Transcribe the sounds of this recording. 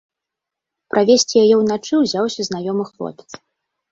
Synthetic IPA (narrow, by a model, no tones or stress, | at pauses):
pɾʔavʲesʲt͡sʲijajɛwnat͡ʂɨwzʲawsʲɐznajɔmɨxlˠɔ̰pʲɛ̥t̪s